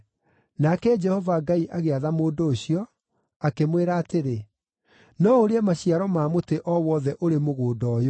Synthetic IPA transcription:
nakɛd͡ʒɛhɔvaɡaiʔaɣeaðamoːdoːɕiɔ | akemweɾaːteɾe | nɔoɾeɛmaɕiaɾɔmaːmoteʔɔwɔðɛʔoɾemoɣoːdɔːjo

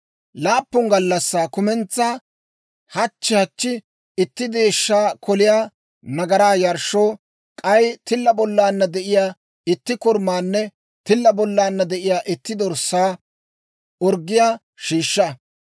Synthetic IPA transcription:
laːpːʊŋɡɐlːɐsːaːkʊmɛnt͡sːa | hɐt͡ʃːɪhɐt͡ʃːɪ | ɪt̪ːɪd̪e̞ːʃːaːkɔlɪjaː | nɐɡɐɾaːjɐɾʃoː | kʼɐjt̪ɪlːɐbɔlːaːnːɐd̪ɛʔɪjaː | ɪt̪ːɪkʊɾmaːnːɛ | t̪ɪlːɐbɔlːaːnːɐd̪ɛʔɪjaːʔɪt̪ːɪd̪ɔɾsːaː | ɔɾɡːɪjaː | ʃiːʃːɐ

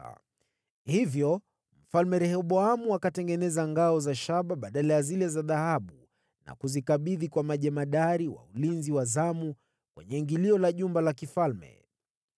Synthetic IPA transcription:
hivjɔ | m̩falmɛɾɛhɔɓɔamuakatɛŋɡɛnɛzaŋɡaɔzaʃaɓaɓaɗalajazilɛzaðahaɓu | na̰kuzikaɓiðikwamaʄɛmaɗaɾiwa̰ulinziwazamu | kwʔɛ̰ɲɛŋɡiliɔlaʄumbalakifalmɛ̰

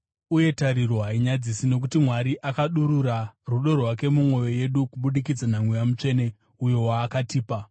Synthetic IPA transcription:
uje̞taɾiroɦaiɲad͡zisino̞k̬utimwaɾiʔakaɗuɾuraruɗo̞rwake̞mumwo̞jo̞je̞ɗukuɓuɗikid͡zanaŋwejamut͡ʂe̞ne̞ | ujo̞waːkatiːpa

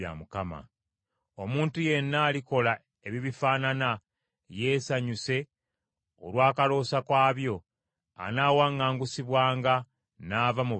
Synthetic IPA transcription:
a̰mukama̰ | o̞muːntuje̞nːaːliko̞la | e̞βiβifaːnana | je̞ːsaɲuse̞ | o̰lwaːkalo̞ːsakwaːβjo̞ | a̰naːwaːŋːaːŋɡusiβwaːŋɡa | naːvamu

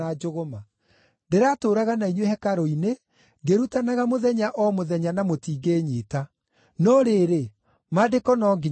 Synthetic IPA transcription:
ad͡ʒoɣoma | ndeɾatoːɾaɣanainwehɛkaɾɔine | ɡeɾutanaɣamoðɛɲaʔɔmoðɛɲanamotiːɡeːɲeːta | nɔɾeɾe | madekɔnɔːŋɡi

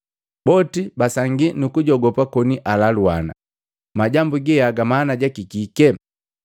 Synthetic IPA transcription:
bɔtibasaŋɡinukuɟɔɡɔpakɔniʔalaluana̰ | maɟambuɡijaɡamaːnaɟakikikɛ

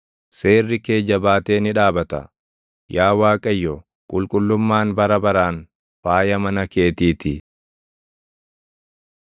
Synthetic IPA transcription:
se̞ːrːɪke̞ːd͡ʒɐbaːt̪e̞ːnɪᶑaːbɐt̪ɐ̰ | jaːwaːkʼɐjːɔ | kʼʊlkʼʊlːʊmːaːnbɐɾɐbɐɾaːn | faːjɐmɐnɐke̞ːt̪iːt̪ɪ

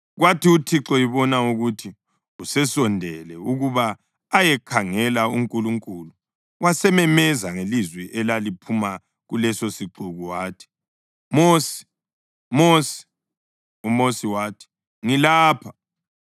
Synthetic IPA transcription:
ɣwatʰiutʰiǁɔiβɔnauɣutʰi | usɛsɔndʱɛlɛuɣuβaː | jɛkʰaŋɛlauŋkʼuluŋkʼulu | wasɛmɛmɛzaŋelizwɛʔɛlalipʰuma | ɣulɛsosiǃuɣuwaːtʰi̥ | mosi̥ | mosi̥ | umosiwaːtʰi̥ | ŋilaːpʰa

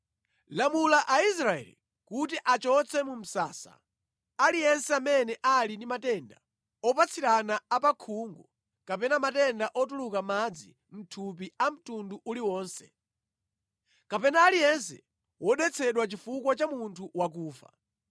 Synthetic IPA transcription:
lamulaʔais̬ɾaɛ̰lḭ | kutiʔat͡ʃɔt͡sʰɛmum̩sa̰ːsa̰ | alijɛnsɛamɛnɛʔalindimatɛnda̰ | ɔpat͡sʰiɾanaapakʰuŋɡɔ | kapɛnamatɛndaʔɔt̬ulukamad͡zi | m̩tʰup̬iam̩tunduʔuliwɔːnsɛ | kapɛnaːlijɛnsɛ̰ | wʔɔɗɛt͡sʰɛɗwat͡ʃifukwat͡ʃamuntʰuwak̬uːfa̰

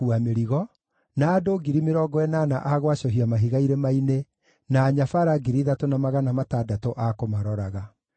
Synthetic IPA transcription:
uameɾiɣɔ | naːdoːɡiɾimeɾɔːɡɔɛnaːna̰ʔaɣwaɕɔɦiamaɦiɣaiɾemaine | naːɲafaɾaɡiɾiðatonamaɣanamataːdatoʔakomaɾɔɾaɣa

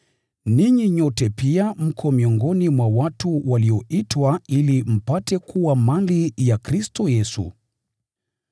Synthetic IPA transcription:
niɲiɲɔtɛpiam̩kʰɔmiɔŋɡɔnimwawatuwaliɔʔitwailim̩patɛkuwamalijakɾistɔjɛsṵ

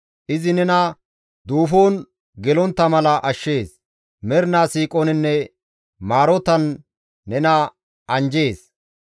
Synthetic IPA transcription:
ʔɪzɪnɛnɐ | d̪uːfoːn | ɡɛlɔnt̪ːɐmɐlɐʔɐʃːe̞ːs | mɛɾnaːsiːkʼoːnɪnːɛ | maːɾɔt̪ɐnː | ɛnɐ | ɐnd͡ʒe̞ːs

